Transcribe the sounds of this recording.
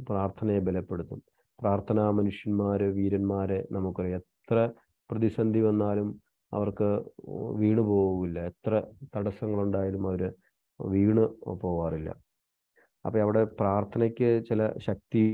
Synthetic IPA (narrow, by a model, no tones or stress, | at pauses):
praːrt̪ʰɐnɐjebelɐpːe̞ɽut̪ːum | praːrt̪ʰɐnaːmɐnuʂjɐnmaːɾeʋiːɾɐnmaːɾenɐmukːoriet̪rɐ | prɐðisɐnd̪ʱiʋɐnːaːlum | ɐ̰ʋɐrkɨʋiːɳɨpo̞ːɣumilːɐet̪rɐt̪ɐɽɐsɐŋːɐɭuɳɖaːjalumɐʋɐɾɨ | ʋiːɳɨpo̞ːʋaːrilːɐ̰ | ɐ̰pːoːɐʋiɽe̞praːrt̪ʰɐnɐkʲːɨt͡ɕilɐ̰ɕɐk̚t̪i